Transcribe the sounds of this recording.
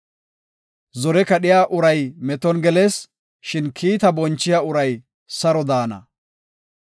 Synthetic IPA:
zɔɾɛkɐɗɪjaːʔʊɾɐjmɛt̪ɔnɡɛle̞ːs | ʃɪnkʰiːt̪ɐbɔnt͡ʃːɪjaʊɾɐj | sɐɾɔd̪aːnɐ̰

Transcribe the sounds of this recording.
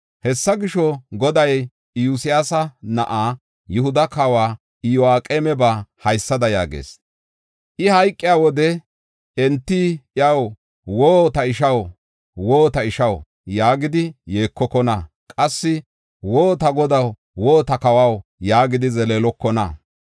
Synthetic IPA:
hɛsːɐɡɪʃɔɡɔd̪ɐj | juːsɪjaːsɐnɐʔaː | jʊɦʊd̪ɐkawaː | ɪjɔaːkʼeːmɛbaːhɐjsːɐd̪ɐja̰ːɡḛːs | ʔɪhɐjkʼːɪjaːwɔd̪ɛ | ɛnt̪ːiɪɐw | woːt̪ɐɪʃɐw | woːt̪ɐɪʃɐw | jaːɡɪd̪ɪjeːkːɔkːɔnɐ | kʼɐsːɪ | woːt̪ɐɡɔd̪ɐw | woːt̪ɐkɐwɐwjaːɡɪd̪ɪzɛleːlɔkːɔnɐ̰

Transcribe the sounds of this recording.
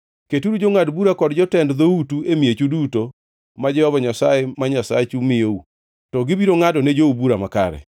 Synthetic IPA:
ketuɾud͡ʒoŋadbuɾakɔdd͡ʒɔtɛndd̪outuemiet͡ʃuduto | mad͡ʒɛhɔbaɲasaemaɲasat͡ʃumɪjou | tɔɡɪbiɾoŋadɔned͡ʒoubuɾamaka̰ɾɛ̰

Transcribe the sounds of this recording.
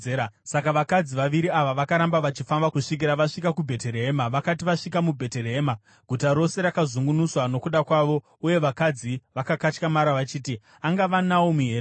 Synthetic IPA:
easakaʋakad͡ziʋaʋiɾiaʋaʋakaɾambaʋat͡ʃifambakuʂik̬iɾaʋaʂikakubʱe̞te̞ɾeɦemaʋakatiʋaʂikamubʱe̞te̞reeːma | ɡʱutaɾo̞se̞ɾakazuŋɡunuswano̞kuɗakwaʋo̞ | uje̞ʋakad͡ziʋakakat͡ʃkamaɾaʋat͡ʃiːti | aŋɡaʋanawomuɦe̞ːɾ

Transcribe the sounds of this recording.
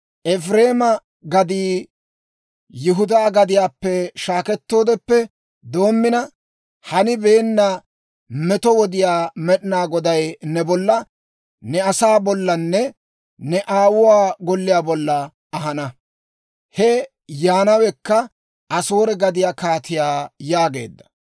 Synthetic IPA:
ʔɛfɾeːmɐ | ɡɐd̪iː | jʊɦʊd̪aːɡɐd̪ɪjaːpːɛʃaːkɛt̪ːo̞ːd̪ɛpːɛ | d̪o̞ːmːɪnɐ | hɐnɪbe̞ːnːɐ | mɛt̪ɔwɔd̪ɪjaːmɛɗɪnaːɡɔd̪ɐjnɛbɔlːɐ | nɛɐsaːbɔlːɐnːɛ | nɛʔaːwʊwaːɡɔlːɪjaːbɔlːɐ | ɐɦɐnɐ | hɛ | jaːnɐwɛkːɐ | ɐsoːɾɛɡɐd̪ɪjaːkaːt̪ɪjaːjaːɡe̞̰ːd̪ːɐ̥

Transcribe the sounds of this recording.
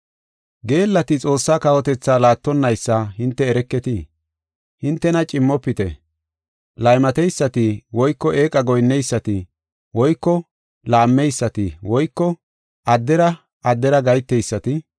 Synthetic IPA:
ɡe̞ːlːɐt̪ɪt͡sʼo̞ːsːaːkɐhɔt̪ɛt͡sːaːlaːt̪ːɔnːɐjsːaɦɪnt̪ːɛːɾɛkːɛt̪ɪ | hɪnt̪ːɛnɐt͡ʃʼɪmːɔpːɪt̪ɛ̰ | lɐjmɐt̪ɛjsːɐt̪ɪwɔjkːɔʔe̞ːkʼɐɡɔjnːɛjsːɐt̪ɪ | wɔjkːɔ | laːmːɛjsːɐt̪ɪwɔjkːɔ | ʔɐd̪ːɛɾɐ | ɐd̪ːɛɾɐɡɐjt̪ːɛjsːɐt̪ɪ

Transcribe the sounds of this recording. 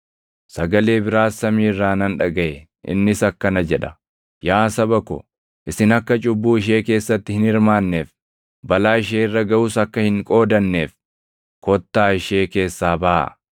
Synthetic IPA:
sɐɡɐle̞ːbɪɾaːsːɐmiːrːaːnɐnᶑɐɡɐʔɛ | ʔɪ̰nːɪsɐkːɐnɐd͡ʒɛᶑɐ | jaːsɐbɐkɔ̰ | ʔɪsɪnɐkːɐt͡ʃʼʊbːuːɪʃ̬e̞ːke̞ːsːɐt̪ːɪhɪnɪɾmaːnːe̞ːf | bɐlaːɪʃ̬eːɪrːɐɡɐʔuːsɐkːɐhɪŋkʼo̞ːd̪ɐnːe̞ːf | kɔt̪ːaːɪʃe̞ːke̞ːsːaːbɐʔɐ̰

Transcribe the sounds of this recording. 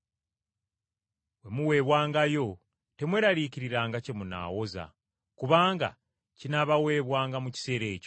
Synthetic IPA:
we̞muwe̞ːβwaːŋɡajo̞ | te̞mwe̞ːɾaɾiːciɾiɾaːŋɡacemuna̰ːwo̞za̰ | kuβaːŋɡa̰ | cinaβawe̞ːβwaːŋɡamuci̥se̞ːɾe̞ːco̞

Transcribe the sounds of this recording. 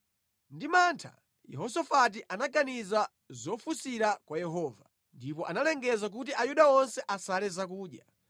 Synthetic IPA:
ndimantʰa̰ | jɛ̰ɦɔsɔfat̬iʔanaɡaniza | zɔfusiɾakwajɛɦɔːva | ndipɔʔanalɛŋɡɛzak̬ut̬iʔajuɗaɔnsɛʔasalɛzakuːɗja

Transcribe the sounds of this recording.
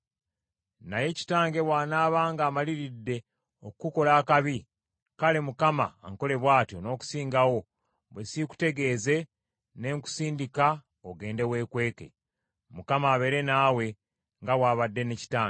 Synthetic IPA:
naje̞ci̥taːŋɡe̞βwaːnaːβaːŋɡaːmaliɾidːe̞ | okuko̞laːkaβi | kale̞mukama̰ːŋko̞le̞βwaːtjo̞no̞ːku̥siːŋɡawo̞ | βwesiku̥te̞ɡe̞ːze̞ | ne̞ːŋku̥siːndika | oɡe̞ːnde̞we̞ːkwe̞ːke̞̰ | mukamaːβe̞ɾe̞naːwe̞ | ŋɡawaːβadːe̞neci̥taːŋɡe

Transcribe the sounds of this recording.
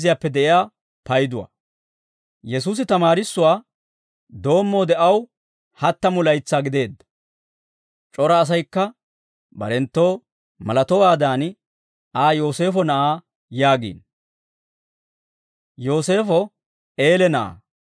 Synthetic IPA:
zɪjaːpːɛd̪ɛʔɪjaː | pɐjd̪ʊwa̰ː | jɛsuːs̬ɪt̪ɐmaːɾɪsːʊwaː | d̪o̞ːmːo̞ːd̪ɛʔɐw | hɐt̪ːɐmʊlɐjt͡sːaːɡɪd̪e̞ːd̪ːɐ̥ | t͡ʃʼɔɾɐːs̬ɐjkːɐ | bɐ̰ɾɛnt̪ːo̞ː | mɐlɐt̪ɔwaːd̪aːn | aːjo̞ːse̞ːfɔnɐʔaː | jaːɡḭːn | jo̞ːse̞ːfɔ | e̞ːlɛnɐʔa̰ː

